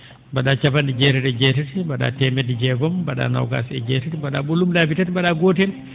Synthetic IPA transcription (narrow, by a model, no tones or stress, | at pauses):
baɗat͡ʃabandid͡ʒɛːtɛtɛd͡ʒɛːtɛtibaɗa̰ːtɛmɛdid͡ʒɛɡɔmbaɗa̰ːna̰wɡa̰sɛ̰d͡ʒɛːtɛtibaɗa̰ɓolumlaːbitatibaɗaɡotɛn